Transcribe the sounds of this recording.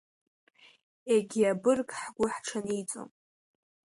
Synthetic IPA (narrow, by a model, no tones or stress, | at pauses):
eɡʲiabɨrkʼħɡʷʊħʈ͡ʂʰanit͡sʼo̰m